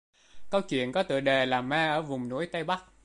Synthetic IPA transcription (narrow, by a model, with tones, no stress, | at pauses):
kə˧wt͡ɕwḭ˧˨ənkɔ˨˦t̪ɨ̰˧˨ɗe˨˩laː˨˩maː˧ʔəː˧˩vʊ˨˩ŋ͡mnu˨˦əjt̪ə˧jɓa˦˥k̚